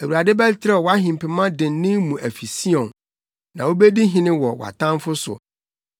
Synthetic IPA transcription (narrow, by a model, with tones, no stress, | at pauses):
æ˨wu˨ɾa˨dɪ˦bɛ˦ltʰɪ˦ɾɛ˦ɔ˨wɔ˨˦a˦ɦɪ̃˨m˨pɪ˨mã˦dɪ̃˨n˦nɪ̃˦mũ˨ʔæ˨fi˨si˦ɔ̃˨n | nã˨wo˦be˦di˦ɦɪ̃˦nɪ̃˦wɔ˨wɔ̰˨a̰˨tʰã˦m˦fʊ˦sʊ̰˨